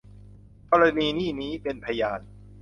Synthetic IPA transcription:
kɔː˧ɾa˧niː˧niː˥˩niː˦˥pe˧npʰa˧jaː˧n

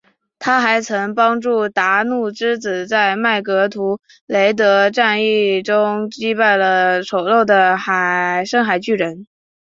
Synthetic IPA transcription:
t̪ʰa˥xa˧˥ɪt͡sʰɤ˧˥ŋpɑ˥ŋʈ͡ʂu˥˩t̪a˧˥nu˥˩ʈ͡ʂɻ̩˥t͡sɹ̩˨˩t͡sa˥˧ɪma˥˩ɪkɤ˧˥t̪ʰu˧˥ | le˧˥ɪt̪̬ɤ˧˥ʈ͡ʂa˥˧ni˥˩ʈ͡ʂʊ˥ŋt͡ɕi˥pa˥˩ɪlə˩ʈ͡ʂʰo˨˩ʊlo˥˩ʊd̪ə˩xa˨˩ʂɤ˥ŋxa˨˩ɪt͡ɕy˥˩ɻə˧˥n

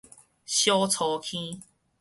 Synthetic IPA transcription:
ɕjɔ˦t͡sʰɔ˨˧˦kʰĩ˦

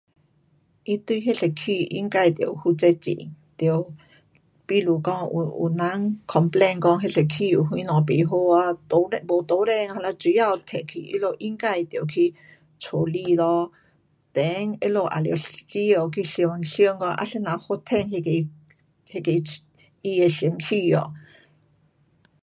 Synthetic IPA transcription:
ʔi˧t̪u˧ɦe˧˨ɬe˨kʰi˧ʔḭ˧˦ŋka˧jt̪jo̰˧˨hu˧t͡se˧t͡sḭ˨ŋ | t̪jo˧˨ | pi˧lu˨kɔ̃˧u˨˧ṵ˨nã˦ŋkʰɔ˨mple˧˨ŋkɔ˧ŋɦe˧ɬe˨kʰi˧u˧˨ɦu˧ĩ˦nɔ̃˨pi˨ɦo˧a˧t̪o˧ɾbo˧˨t̪o˧˦ɾe˧ŋha˧la˧t͡ʃi˧ja˧˨wt̪ʰe˨ʔkʰi˧ḭ˧˦lo˧ʔi˦ŋka˧˨jt̪jo˨kʰi˧ | t͡sʰo˨li˧d̪ɔ˧ | t̪e˨ŋe˧lo˧ʔa̰˨ljo˧˨ki˧jo˧˨ki˧ɬjə˧nɬjə˧ŋkɔ˧ʔa̰˦ɬe˧nã˧ho˧t̪ʰe˦˧˨ŋhe˧ke˧ | he˧ke˨ | i˧je˧ɬə˧˨ŋkʰi˧jɔ˨

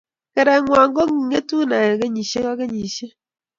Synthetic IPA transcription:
kɛ˨ɾɛ˨ŋwa˨ŋɡo˦ŋi˨ŋe˦tu˦na˨ke˦ɲi˨ʃe˦ka˦ke˦ɲi˨ʃe˦

